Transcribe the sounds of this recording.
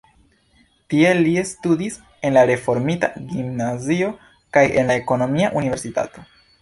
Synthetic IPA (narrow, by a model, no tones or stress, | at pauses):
tie̞liestudis | e̞nlaɾe̞fo̞ɾmita̰ɡimnazio̞ | kaje̞̰nlae̞ko̞no̞miaʔunive̞ɾsita̰to̞